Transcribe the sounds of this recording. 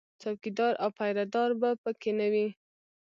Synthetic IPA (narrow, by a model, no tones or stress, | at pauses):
t̪ʰawkid̪ɑɾʔawpajɾad̪ɑɾbapəkenawi